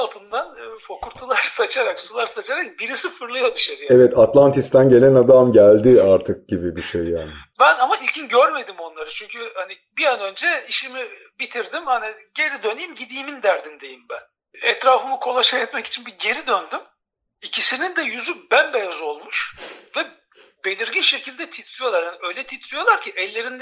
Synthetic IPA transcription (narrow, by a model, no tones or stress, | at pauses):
alˠt̪ʰɯnd̪anːfokʰuɾt̪ʰalˠaɾsat͡ʃʰaɾaksulˠaɾsat͡ʃʰaɾak̚biɾisifɯɾlˠajod̪ɯʃaɾɯjaevɛt̪at̪lˠant̪ʰist̪ʰænɟe̞lʲænad̪amɟælʲd̪ɪaɾt̪ʰɯk̚ɟibibiʃejːaːnɪbænamailʲcʰinɟøɾme̞d̪imo̞nlˠaɾɯt͡ʃʰyɲcʰyhani | bijanø̞nd͡ʒɛiʃimibit̪ʰiɾd̪imhaniɟe̞ɾid̪ønijimɟid̪iːmind̪æɾd̪imd̪e̞jimbæn | ɛt̪ɾaːfɯmɯkʰo̞lˠaʃajɛt̪mɛci̥t͡ʃʰinbiɟe̞ɾid̪ønd̪ym | icʰisinind̪ɛjyzybænbejazo̞lˠmuʃvɛ | be̞lʲiɾɟinʃe̞cʰilʲd̪ɛt̪ʰit̪ʰlʲˠijoaɾhaniø̞jlʲɛt̪ʰit̪ʰlʲˠijo̞lˠaɾcʰiʔɛlʲːe̞ɾind̪